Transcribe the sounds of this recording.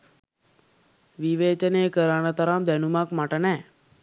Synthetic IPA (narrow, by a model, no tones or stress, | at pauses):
ʋiʋeːt͡ʃəneːkəɾaːnɐt̪ɐɾaːmd̪ɛnumakmaʈənɛ